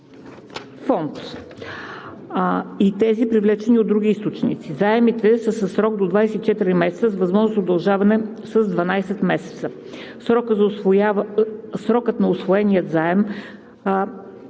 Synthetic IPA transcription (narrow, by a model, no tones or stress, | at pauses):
fɔnt̪ | it̪ɛzipɾivlɛt͡ʃɛniod̪ɾuɡ̟ʲiist̪ot͡ʃnḭt̪sizaɛmit̪ɛsəsəsɾɔɡ̚d̪od̪vajsɛt̪it͡ʃɛt̪iɾimɛsɛt̪səzvɐzmɔʒnosod̪ɐlˠʒavɐnɛ | səzd̪vɐnajsɛt̪mɛsɛ̥t̪sə | sɾɔkəzasɾɔkɤt̪nɐosvoɛnijət̪zaɛm